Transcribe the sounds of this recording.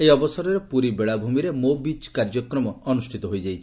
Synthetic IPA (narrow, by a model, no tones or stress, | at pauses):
ejɔbɔsɔɾɔɾepuɾibeɭabʱumiɾemobit͡ʃkaɾd͡ʒɔkɾɔmɔɔnusʈʰit̪ɔɦojd͡ʒajt͡ʃʰi